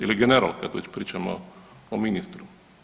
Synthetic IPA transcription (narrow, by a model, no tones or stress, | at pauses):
iliɡɛnɛɾa̰lˠkad̪ʋɛ̰t͡ɕpɾiːt͡ʃamo̰ | ominist̪ɾu